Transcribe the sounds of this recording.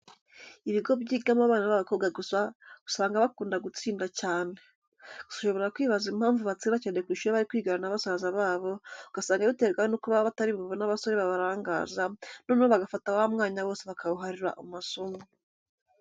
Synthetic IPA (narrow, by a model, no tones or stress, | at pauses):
iβiɡo̞bɟiːɡamaβaːnaβaβako̞ːbɡaɡusaɡ̥u̥saːŋɡaβakuːndaɡut͡siːndacaːne̞ | ɡ̥u̥sḁʃo̞βoeɾakwiːβazimhaːɱvuβat͡siːndacanekwiːʃuɾeβaɾikwiːɡaɾanaβasazaβaːβo̞uɡ̥asaːŋɡaβiteːɡaonukuβaβataɾiβββonaβaso̞ɾeβaβaɾaːŋɡaːzanoːnuβoβaɡafataβaβamŋaːɲaβo̞ːse̞βakʰaβuɦaɾiɾa̰ʔumasomu